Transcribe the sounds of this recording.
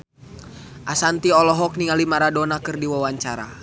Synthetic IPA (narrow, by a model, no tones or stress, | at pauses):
ʔasant̪iɔlɔɦɔk̚niŋalimaɾadɔnakɨrdiwawaɲt͡ʃaɾa̰